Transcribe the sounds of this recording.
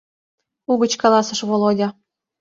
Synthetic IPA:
uɡə̆t͡ɕkɑlˠɑsɤ̆ʃβolˠodʲɑ

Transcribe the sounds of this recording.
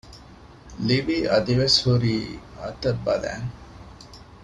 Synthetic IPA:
liʋiːʔɐd̪iʋeshuɾiːɐ̰t̪ɐbːɐlæ̰ːŋ

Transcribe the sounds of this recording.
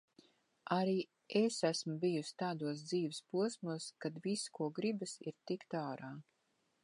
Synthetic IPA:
aɾiː | esæsmubijusʲt̪aːd̪uɔs̬d̪ziːvɪspuɔsmuɔskad̪viskuɔɡɾibɨsiɾt̪ikt̪aːɾaː

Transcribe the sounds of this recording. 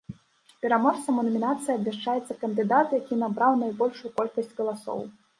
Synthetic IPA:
pʲɛɾamɔt̪ɐmunɐmʲinat̪sɨjɐbʲmʲaʂt͡ʂajɛt̪sːɐkɐnd̪ɨd̪at̪jakʲinabɾawnajbɔlʲʂujukɔlʲkɐsʲt͡sʲɣɐlˠasɔ̰w

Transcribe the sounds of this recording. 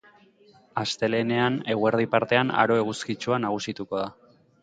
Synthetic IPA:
ast̪e̞le̞ne̞ane̞ɣwe̞ɾð̞ipaɾt̪e̞ana̰ɾo̞eɣ̞uskit͡ʃuanaɣ̞usit̪uko̞ð̞a

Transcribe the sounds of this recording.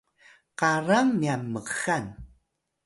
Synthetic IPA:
qaraŋmiamːəxan

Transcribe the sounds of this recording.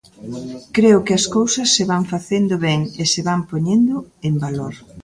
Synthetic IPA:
kɾeʊkɪɐskowsɐsːeβaɱfaθend̪ʊβɛŋesɪβampoɲend̪ʊembaloɾ

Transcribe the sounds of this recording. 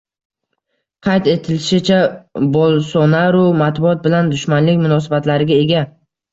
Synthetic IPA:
qʰɑjt̪e̞t̪ʰɪlɪʃɪt͡ʃʰabɒlˠsɒnaɾʊmat̪bʊɒt̪̚bɪland̪ʊʃmanlɪkʲmʊnɒs̬abat̪laɾɪɡʲae̞ɡʲa

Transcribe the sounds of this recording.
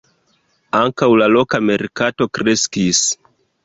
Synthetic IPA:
aŋkawlalo̞kame̞ɾkato̞kɾe̞skis

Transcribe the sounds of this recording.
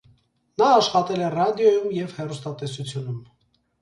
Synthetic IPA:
nɑːʃχɑt̪ɛlɛrɑd̪jɔjumjɛvhɛrust̪ɑt̪ɛsut͡sʰjunum

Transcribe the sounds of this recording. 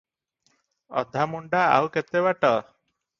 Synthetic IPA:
ɔ̰d̪ʱamuɳɖaa̰wket̪ebaʈɔ

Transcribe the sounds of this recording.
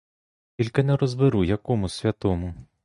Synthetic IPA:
kʲilʲkɐnɛɾɔzbɪɾujɐkɔmʊsʲʋʲɐt̪ɔmʊ

